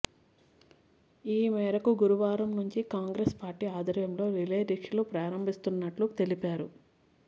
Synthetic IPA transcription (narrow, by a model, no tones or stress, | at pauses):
iːmɛːɾɐkuɡuɾuʋaːɾɐmnuɲt͡ʃikaːŋɡɾespaːɾʈiːaːd̪ʱɐɾjɐmlo̞ːɾileːɾikʂlupɾaːɾɐmbʱist̪unːɐʈlut̪e̞lipaːɾu